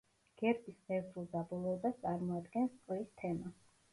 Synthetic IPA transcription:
ɡ̥ɛɾp̪ʼisχɛvzulˠd̪abɔlˠɔɛbast̪sʼaɾmɔad̪ɡɛnskʼlist̪ʰɛma

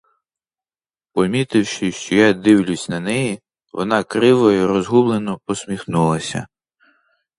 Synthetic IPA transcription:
pɔmʲit̪ɪwʃɪʃt͡ʃɔjad̪ɪwlʲʊsʲnɐnɛji | ʋɔnɑkɾɪʋɔjɔɾɔzɦublˠenɔpɔsmʲixnulˠɐsʲɐ̰

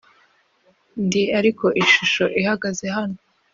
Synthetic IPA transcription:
ndiaɾiko̞ʔiʃuʃo̞ʔihaɡaze̞hano

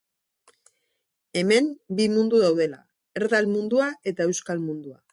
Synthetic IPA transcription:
e̞me̞mbimund̪uðawð̞e̞la̰ | e̞ɾðalmund̪uaʔe̞t̪ae̞wskalmund̪ua̰

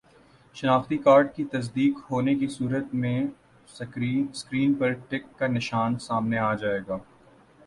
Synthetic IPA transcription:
ʃɐnaːxt̪ikaːɾɖkit̪ɐs̬d̪iːkhoːnekisuːɾət̪mẽ | skɾiːnpɐɾʈɪkːanɪʃaːnsaːmneaːd͡ʒaːeːɡaː

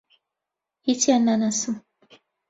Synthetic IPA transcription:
itiananasu

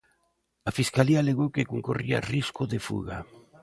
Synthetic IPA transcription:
afiskaliaːleɣowkekoŋkoria̰riskoðefṵɣa̰

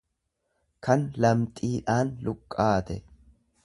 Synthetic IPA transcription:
kʰɐnlɐmt̪ʼiːᶑaːnlʊkʼːaːt̪ɛ

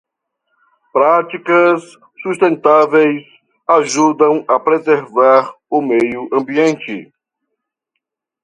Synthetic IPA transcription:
pɾat͡ʃikɐsː | uʃt̪ẽnt̪avejs | aʒud̪ɐ̃w̃ɐpɾezeɾvaɾ | ʊmejʊʔɐ̃mbiẽnt͡ʃɪ

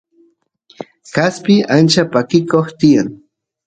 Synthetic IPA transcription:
kaspɪant͡ʃapakɪkoχt̪ɪjaŋ

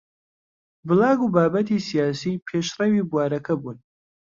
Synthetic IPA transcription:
bɨlɑːɡuːbaːbɐt̪isijaːsiːpʰeːʃrɐwibuwaːɾɐkʰɐbuːn

